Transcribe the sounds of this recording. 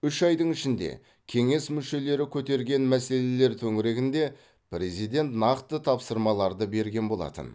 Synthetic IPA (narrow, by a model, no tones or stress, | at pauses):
ʏʃɑjd̪əɴɪʃɪnd̪e̞̰ | kʲʰe̞ŋe̞smʏʃe̞le̞ɾɪkʲʰɵt̪e̞ɾɡʲe̞nmæse̞le̞le̞ɾt̪ʰɵŋɪɾe̞ɡʲɪnd̪e̞ | pɾe̞zijd̪e̞nt̪nɑqt̪ət̪ʰɑpsəɾmɑlˠɑɾd̪əbe̞ɾɡʲe̞nbo̞lˠɑ̰t̪ə̰n